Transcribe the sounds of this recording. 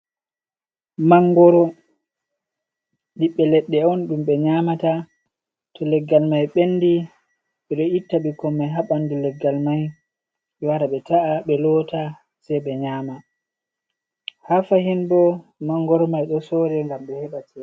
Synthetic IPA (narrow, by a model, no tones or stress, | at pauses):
maŋɡɔɾɔ | ɗiɓːɛlɛɗːɛɔnɗumɓɛɲaːmata | tʰɔlɛɡːalmajɓenːdi | ɓɛɗɔitːaɓikɔmːɛɦaɓandulɛɡːalmaj | waɾaɓɛtaaɓɛlɔta | sɛjɓɛɲaːma | hafahinbɔmaŋɡɔɾɔmajɗɔsɔɾɛŋɡamɓɛhɛɓatʰɛ